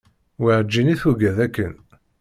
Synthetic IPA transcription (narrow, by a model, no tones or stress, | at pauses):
wiʕəd͡ʒːiniθuɡæðækːən